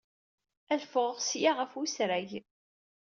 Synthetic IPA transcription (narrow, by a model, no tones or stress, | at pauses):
æðfʊʁəʁsjaʁəfusɾæʝ